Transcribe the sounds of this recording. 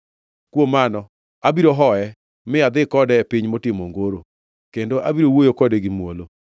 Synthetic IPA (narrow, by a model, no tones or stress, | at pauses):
kwomanɔ | abiɾoɦɔɛ | mɪad̪ɪkɔdɛɛpɪɲmotɪmoŋɡoɾo | kendoʔabiɾowojokɔdeɡɪmwolo